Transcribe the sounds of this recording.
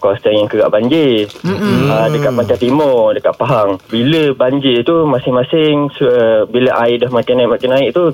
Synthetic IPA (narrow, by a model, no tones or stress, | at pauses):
kɔst̪əŋjaŋkəɡa̰ʔbaɲd͡ʒi | ədəkat̪̚maɲt͡ʃat̪imɔdəkaʔ̪̚paɦaŋbiləbaɲd͡ʒɪt̪umasɪŋmasɪŋsəbiləʔaɪʔdahmakanaiʔmakanaɪʔt̪u